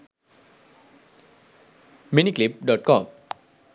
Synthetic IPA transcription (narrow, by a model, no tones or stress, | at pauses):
miniːklip̚dɔt̪̚kʰɔm